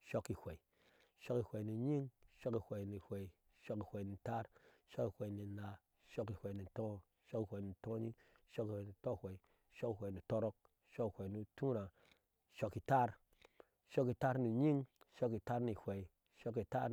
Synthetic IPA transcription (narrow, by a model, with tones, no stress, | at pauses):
ʃo˦ki˨hʷe˨i˨ | ʃo˦ki˨hʷe˨ni˨ɲi˦ŋʃo˦ki˨hʷe˨ni˨hʷe˨i˨ | ʃo˦ki˨hʷe˨i˨ni˨ta˦ɾʃo˦ki˨hʷe˨i˨ni˨na˨ | ʃo˦ki˨hʷe˨i˨ni˨tõ˦ | ʃo˦ki˨hʷe˨i˨ni˨tõ˦ɲi˦ŋ | ʃo˦ki˨hʷwe˨ni˨to˦hʷe˨i˨ | ʃo˦ki˨hʷe˨ni˨to˦ɾo˦k̚ | ʃo˦ki˨hʷe˨i˨nu˨tũ˦ɾa˨ | ʃo˦ki˨ta˦ɾ | ʃo˦ki˨ta˦ɾni˨ɲi˦ŋʃo˦ki˨ta˦ɾni˨hʷe˨i˨ | ʃo˦ki˨ta̰˦ɾ